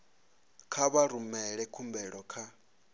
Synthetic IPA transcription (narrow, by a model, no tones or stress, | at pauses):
kʰaβaɾumɛɺɛkʰumbɛɺɔkʰa